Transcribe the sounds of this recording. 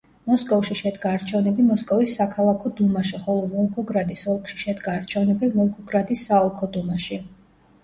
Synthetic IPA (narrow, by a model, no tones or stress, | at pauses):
mɔskʼɔvʃiʃɛd̪ɡaːɾt͡ʃʰɛvnɛbimɔskʼɔvisːakʰalˠakʰɔd̪umaʃiχɔlˠɔvɔlˠɡɔɡɾad̪isɔlˠkʰʼʃi̥ʃɛd̪ɡaːɾt͡ʃʰɛvnɛbivɔlˠɡɔɡɾad̪isːaɔlˠkʰɔd̪umaʃi